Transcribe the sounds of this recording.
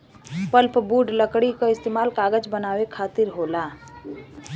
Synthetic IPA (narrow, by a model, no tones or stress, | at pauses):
pəlpbuːɖləkɽikaɪst̪eːmaːlkaːɡəd͡ʒbənaːwekʰaːt̪ɪɾɦoːlaː